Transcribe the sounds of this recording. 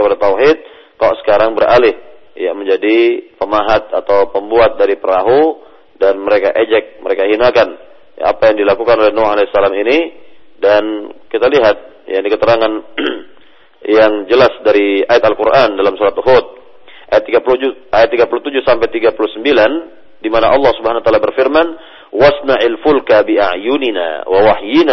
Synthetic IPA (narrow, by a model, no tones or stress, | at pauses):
kəpadat̪awɦɪt̪̚ | kalo̰ʔsə̥kaɾaŋbəɾʔa̰lɪhja̰məɲd͡ʒadipəmaɦat̪̚at̪awpəmbuat̪̚daɾipəɾaɦu | danməɾekaʔed͡ʒɛk̚məɾekaɦinakan | ja̰a̰pajaŋdilakukanolɛhnoalɛsalaminidankit̪aliɦat̪̚ | ja̰nikət̪əɾaŋan | jaŋd͡ʒəlasdaɾiajat̪alkuɾʔandalamsuɾat̪uɦot̪̚ | ʔajat̪ːiɡapulud͡ʒuʔajat̪ːiɡapulut̪ud͡ʒusampajt̪iɡapuluhsəmbilan | dimanaʔɑlːɑhsubəɦanwat̪alabərfirman | wasnaʔalfulkabia̰ʕjunina̰wawahjina